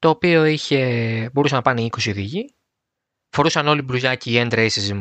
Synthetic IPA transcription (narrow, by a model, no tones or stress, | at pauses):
t̪o̞ːpio̞içe̞bo̞ɾusɐnɐpɐneiko̞siðiʝi | fo̞ɾusɐno̞libɾuʝɐciːend̪ɾeisizm